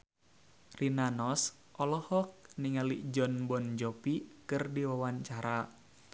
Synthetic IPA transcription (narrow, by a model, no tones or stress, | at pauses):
rinanɔs | ʔɔlɔhɔk̚niŋalid͡ʒɔnbɔnd͡ʒɔpikɨrdiwawaɲt͡ʃaɾa